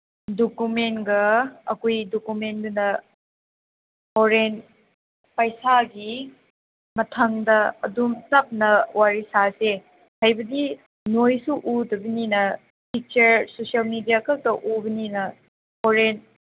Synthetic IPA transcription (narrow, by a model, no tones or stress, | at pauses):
dokumenɡɐɐkojdokumendunɐ | hoɾen | pɐjsaɡi | mɐtʰɐŋdɐɐdumtɐp̚nɐwaɾisase | hɐjbɐdi | nojsuʔudɐbininɐ | pʰik̚t͡ʃɐɾsosijɐlmidijakɐk̚tɐʔubɐninɐ | hoɾen